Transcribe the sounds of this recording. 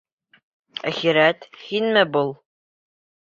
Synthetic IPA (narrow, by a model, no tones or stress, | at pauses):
æχiɾæt̪hinmɘbulˠ